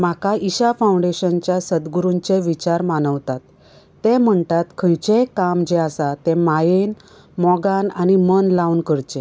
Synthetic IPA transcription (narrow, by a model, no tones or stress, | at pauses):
makaiɕafaũɳɖeɕənt͡ɕjasəd̪ɡɾunt͡ɕeʋit͡ɕaɾmanəʋt̪at̪ː | em̤əɳt̪at̪kʰəjt͡ɕekamd͡ʑeasat̪emajen | mɔɡananimənlaunkəɾt͡ɕe